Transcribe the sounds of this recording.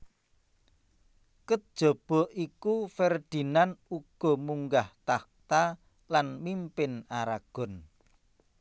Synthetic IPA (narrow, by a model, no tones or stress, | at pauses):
kəd̥ʒ̥ɔ̤b̥ɔ̤ʔikufɛrd̪̥i̤nanuɡ̥ɔ̤muŋɡaht̪ak̚t̪a | lanmimpɪnaɾaɡ̥ɔ̤n